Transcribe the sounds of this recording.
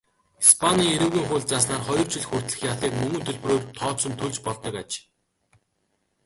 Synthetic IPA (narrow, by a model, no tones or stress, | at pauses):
ispʰaniːŋeɾɘ̆wɣiːŋχʊːɮʲt͡saːs̬naːrχɔjɞ̆rt͡sɵɮxur̥t̪ɮɘ̆xjaɮiːkmɵŋɵ̆nt̪ʰɵɮproːrt̪ʰɔːsɵ̆nt̪ʰɵɮt͡ɕpɔɮt̪ɞ̆kat͡ɕ